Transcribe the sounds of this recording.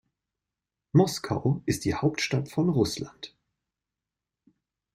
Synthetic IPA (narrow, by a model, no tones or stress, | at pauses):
mɔskʰa̰ʊʔɪstd̥iːhaʊptʃtatfɔnʁʊslant